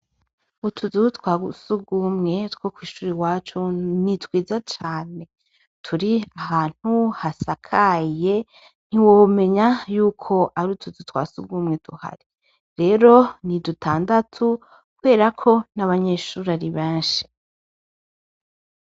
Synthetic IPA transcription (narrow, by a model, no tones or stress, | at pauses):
utʰuzutwaːɡusuɡumŋe̞twokwiːʃuːɾiwaːt͡ʃunitwiːzat͡ʃaːne̞ | tʰuɾiahaːn̥huhasakʰaje̞ | n̥iwome̞ɲajuːkʰo̞ʔaɾutuzutwa̰ːsuɡumŋetuha̰ɾi | ɾe̞ːɾo̞nidutʰaːndatʰu | kuwe̞ːɾakʰo̞naβaɲe̞ːʃuːɾaɾiβẽːnʃi̥